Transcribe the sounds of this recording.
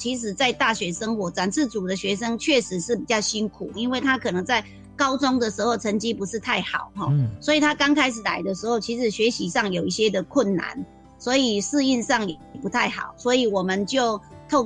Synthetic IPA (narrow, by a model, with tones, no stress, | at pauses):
t͡ɕʰi˧˥ʂ̬ɻ̩˨˩t͡sa˥˧ɪt̪a˥˩ɕɥɛ˧˥ʂə˥ŋxwɔ˧˥t͡sa˨˩nʂ̩ʰ˥˩t͡su˨˩d̪ə˦ɕɥɛ˧˥ʂə˥ŋt͡ɕʰɥɛ˥˩ʂɻ̩˧˥ʂɻ̩˥˩pi˨˩t͡ɕjɑ˥˩ʊɕi˥nkʰu˨˩i˥nwe˥˩ɪt̪ʰa˦˥kʰɤ˨˩nɤ˧˥ŋt͡sa˥˩ɪ | kɑ˥ʊt͡sʊ˥ŋd̪ə˨ʂɻ̩˧˥xo˥˩ʊt͡sʰə˧˥ŋt͡ɕi˥pu˧˥ʂɻ̩˥˧t̪ʰa˥˩ɪxɑ˨˩˦ʊxɔ˥˧swɔ˧˥i˨˩t̪ʰa˥kɑ˥ŋkʰa˥ɪʂ̩˨˩la̰˧˥ɪd̪ə˨ʂɻ̩˧˥xo˥˩ʊt͡ɕʰi˧˥ʂɻ̩˨˩ɕɥɛ˧˥ɕi˧˥ʂɑ˥˩ŋjo˨˩ʊi˥˩ɕjɛ˦˥d̪ə˨kʰwʊ˥˩nːa̰˧˦n | swɔ˧˥i˨˩ʂɹ̩˥˧i˥˧nʂɑ˥˩ŋjɛ˨˩pu˨˥t̪ʰa˥˩ɪxɑ̰˨˩˦ʊswɔ˧˥i˨˩wɔ˨˩mə˨nt͡ɕjo˥˧ʊt̪ʰo˥˩ʊ